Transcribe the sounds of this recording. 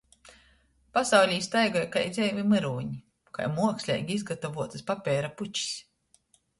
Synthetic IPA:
pasawlʲiːst̪ajɡɔjkajd̪zʲɛjvʲimɨɾuːɲi | ka̰jmuɔksʲlʲɛ̰ːjɡʲiizɡat̪ɔvuɔt̪ɨspapʲɛːɾaput͡ʃi̥s

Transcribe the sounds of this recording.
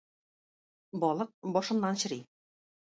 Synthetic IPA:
bɒlˠɤq̚bɒʃɤ̆mnɑnɕɘ̆ɾi

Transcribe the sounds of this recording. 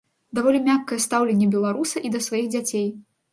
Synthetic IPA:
d̪avɔlʲimʲakːɐjɛst̪awlʲenʲːɛbʲɛlˠaɾusɐʔid̪ɐsvajiɣd͡zʲat͡sʲej

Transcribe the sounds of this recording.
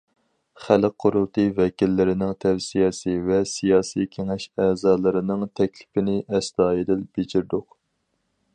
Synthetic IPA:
χælq̚qʰːʊɾulˠt̪ʰɨvɛkʲilːɪɾɪnɪŋt̪ʰɛvsijɛsɪvɛsijɑːsikʲʰeŋɛʃɛːzɑːlˠɨɾɨnɨŋt̪ʰɛkʲlɪ̥pɪnɪʔɛsd̪ɑːjid̪ɪlb̥ed͡ʒiɾd̪ʊq

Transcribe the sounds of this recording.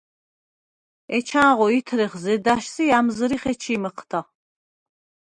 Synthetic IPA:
ɛt͡ʃʰaːʁɔit̪ʰɾiχzɛd̪aʃsiamzzəɾiχɛt͡ʃʰiːməqʰt̪ʰa

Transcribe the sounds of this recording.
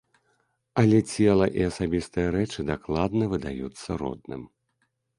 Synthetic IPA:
ɐlʲɛt͡sʲɛlˠɐʔiasabʲist̪ɨjɐɾɛt͡ʂɨd̪aklˠad̪nɐvɨd̪ajut̪sːɐɾɔ̰d̪̚nɨ̰m

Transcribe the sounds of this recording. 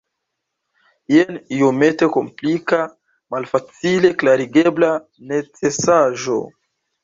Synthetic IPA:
ienijome̞teko̞mplika | malfat͡sile̞klaɾiɡebla | ne̞t͡sesaʒo̞̰

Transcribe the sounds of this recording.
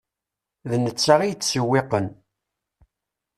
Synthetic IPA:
ðnət͡sːaʁijt͡sːsəwːeqən

